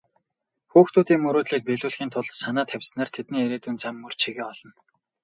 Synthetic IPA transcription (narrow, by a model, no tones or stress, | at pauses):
xuːxt̪ʰuːt̪iːŋmɵɾoːt̪ɮiːk̚peɮuːɮxiːnt̪ʰʊɮsanaːt̪ʰæwʲsnaːrt̪ʰet̪niːeɾeːt̪uːnt͡samːɵr̥t͡ɕʰiɣĕːɔɮ̥ɞ̆n